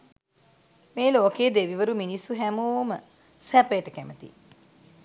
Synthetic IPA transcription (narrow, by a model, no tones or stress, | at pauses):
meːloːkeːd̪eʋiʋəɾuminisːuɦæmoːmə | sæpəjəʈəkæmət̪ḭ